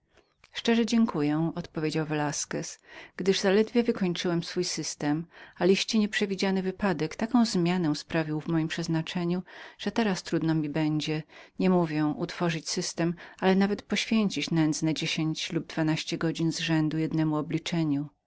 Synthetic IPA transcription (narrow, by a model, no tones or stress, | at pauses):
ʂt͡ʂɛʐɛd͡ʑɛŋkʰujɛɔt̪pɔvʲed͡ʑawvɛlaskɛsɡ̥d̪ɘʐzalɛd̪vʲjɛvɘkɔɲt͡ʂɘwɛmsfujsɘst̪ɛmalʲiɕt͡ɕɛɲɛpʂɛvʲid͡ʑanɘvɘpad̪ɛkt̪akɔ̃w̃zmʲjanɛ̃spɾavʲiwvmɔjimpʂɛznat͡ʂɛɲuʐ̥ɛt̪ɛɾast̪ɾud̪nɔmʲibɛɲd͡ʑɛɲɛmuvʲjɛʔut̪fɔʐɨt͡ɕsɘst̪ɛmalɛnavɛt̪pɔɕfʲjeɲt͡ɕit͡ɕnɛnd̪znɛd͡ʑeɕeɲt͡ɕlub̚d̪vanaɕt͡ɕɛɡɔd͡ʑinzʐɛnd̪ujɛd̪nɛmuɔblʲit͡ʂɛɲu